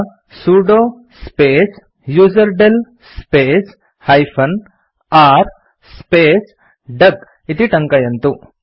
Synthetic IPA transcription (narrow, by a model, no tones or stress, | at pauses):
suɖo | speːs | juːzɐɾɖel | speːs | hɐjpʰɐn | aːɾ | speːs | ɖɐɡ | it̪iʈɐŋkajɐnt̪u